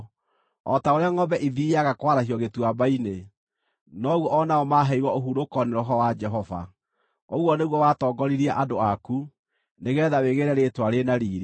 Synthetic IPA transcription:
ɔ̰taoɾeaŋɔbɛʔiðiaɣakwaɾahiɔɣetwabaine | nɔɣwɔːnaɔmaɦɛiwɔoɦuɾokɔneɾɔɦɔwad͡ʒɛɦɔva̰ | oɣwɔneɣwɔwaːtɔːɡɔɾiɾiaʔadoaku | neɣeɾɛðaweɣeɾɛɾetwaɾenaɾiːɾe

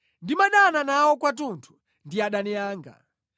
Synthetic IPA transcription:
ndimaɗananawɔkwatuntʰu̥ | ndiaɗanɛjaːŋɡa̰

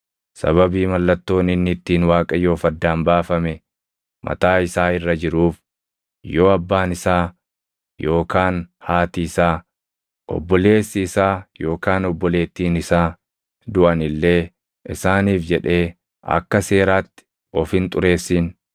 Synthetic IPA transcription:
sɐ̰βɐbiːmɐlːɐt̪ːo̞ːnɪnːɪt̪ːiːnwaːkʼɐjo̞ːfɐd̪ːaːnbaːfɐmɛ | mɐ̰t̪aːɪsaːɪrːɐd͡ʒɪɾuːf | jo̞ːɐbːaːnɪsaː | jo̞ːkaːnhaːt̪iːsaː | ʔɔ̰bːɔle̞ːsːɪːsaːjo̞ːkaːnɔbːɔle̞ːt̪ːiːnɪsaː | d̪ʊʔɐnɪlːe̞ː | ɪsaːniːfd͡ʒɛᶑe̞ː | ɐ̰kːɐse̞ːɾaːt̪ːɪ̥ | ɔfhɪnt̪ʼʊɾe̞ːsːiːn

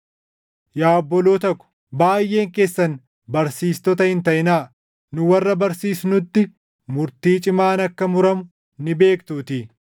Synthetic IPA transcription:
jaːɔbːɔloːt̪ɐkːʊ̥ | baːjːe̞ːŋke̞ːsːɐn | bɐɾsiːst̪ɔt̪̬ɐhɪnt̪ɐʔɪnaː | nʊwɐrːɐbɐɾsiːsnʊt̪ːɪ | mʊɾt̪iːt͡ʃʼɪmaːnɐkːɐmʊɾɐmʊ | nɪbe̞ːkt̪uːt̪i

